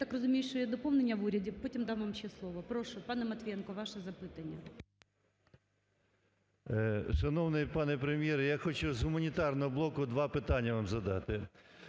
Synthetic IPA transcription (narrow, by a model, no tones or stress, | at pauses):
t̪akrɐzʊmʲijɪʃɔjad̪ɔpomnɪnʲːɐʋuɾʲɐdʲɪpotʲɪmd̪aʋʋamɕːɛslˠɔʋɔpɾoʂʊpɑnɛmɐt̪ʲʋʲijɛnkɔʋɑʃɛzɐpɨt̪ɐnʲːɐ | ʃɐnɔwnɪpɑnɛpɾemʲjɛɾjaxɔt͡ʃʊzɦʊmɐnʲit̪ɑrnɔɦɔblˠɔkʊd̪ʋɑpɪt̪ɑnʲːɐʋamzɐd̪ɑt̪ɪ